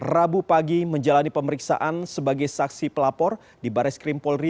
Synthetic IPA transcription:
rabupaɡiməɲd͡ʒalanipəməɾiksa̰ʔansəbaɡajsaksipəlapɔr | dibaɾɛskɾimpɔlri

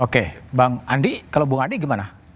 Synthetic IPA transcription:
okebaŋandikalobuŋandiɡimana

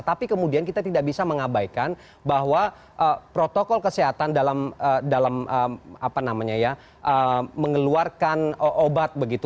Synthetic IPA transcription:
t̪apikəmudiankit̪at̪idaʔ̚bisaməŋabajkan | baɦwa | ʔəpɾot̪okɔlkəseɦat̪andalamədalaməapanamaɲaja | ʔəməŋəluarkanʔobat̪̚bəɡit̪u

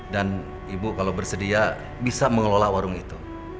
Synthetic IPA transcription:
dan | ibukalabərsədia | bisaməŋəlolawaɾʊŋit̪u

